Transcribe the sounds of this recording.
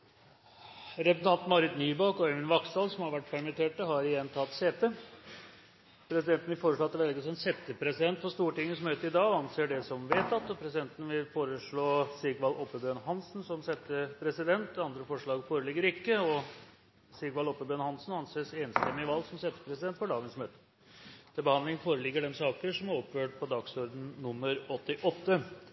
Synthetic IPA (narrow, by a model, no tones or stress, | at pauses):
ɾɛpsʰɑnt̪mɑɾɪt̪nyːbɑkɔɛʋɪnʋɑksɑlsɔmhɑɾʋæʈːpʰæɾmɪt̪ʰeːʈəɦɑɾɪjɛnːt̪ʰɑt̪seːt̪ə | pʰɾɛsɪd̪ɛnt̪n̩ʋɪfoːɾəʂɭoɑt̪ːʋɛlɡəsɔmɛnsɛt̪ːəpʰɾɛsɪd̪ɛnt̪fɔʂt̪uːʈɪŋːənsmøːt̪əɪd̪ɑːɑnseːɖɛsɔmʋeːt̪ɑt̪ɔpʰɾɛsɪd̪ɛnt̪ən̩ʋɪlfoːɾəʂɭoːsɪɡʋɑlɔpːəbøːnɦɑnsnsɔmsɛt̪ːəpʰɾɛsɪd̪ɛnt̪ɑnd̪ɾəfɔʂɭɑːɡfoːɾəlɪɡːəɾɪkːəɔ | sɪɡʋɑlɔpːəbøːnhɑnsn̩ɑnseːseːnst̪ɛmːɪəʋɑlːɡsɔmsɛt̪ːə̥pʰɾɛsɪd̪ɛnt̪fɔɖɑːɡənsmøːt̪ə̥ | t̪ʰɛbəhɑnd̪lɪŋəfoːɾəlɪɡːəɖɛnsɑːkəʂɔmæɾɔpːføːʈ̚pʰɔd̪ɑɡsɔɾd̪n̩nʊmːəɾɔt̪ːɪʔɔt̪ːə